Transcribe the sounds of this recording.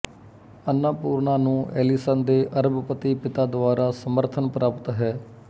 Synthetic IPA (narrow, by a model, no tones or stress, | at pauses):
ənãːpuːɾɳaːnũːʔɛ̰ːlisənd̪eːʔəɾəbpət̪iːpɪt̪aːd̪ʊaːɾʔaːsəməɾt̪ʰənpɾʔaːpt̪ɦɛː